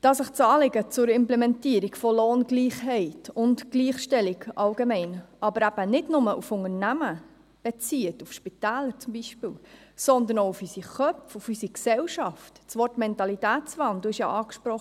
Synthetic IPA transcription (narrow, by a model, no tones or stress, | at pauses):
d̥ɑsɪχt͡sɑːlɪɡət͡sʊɾɪmplɛmɛntiəɾikfɔloːnɡliːχhɛɪtʊntɡliːχʃtɛliɡʔɑlɡemɛɪnʔɑbəɾæb̥ənɪdnʊməʔufʊŋəɾnæmə | b̥ɛt͡siːətufʃpitæːləɾt͡sʊmbiʃpɪːwsɔnd̪ənoʊufysiχœpfufysiksɛwʃɑftt͡sʋɔrtmɛntɑlitæːtt͡sʋɑnd̪l̩ɪʃjɑʔɑːkʃpɾɔχ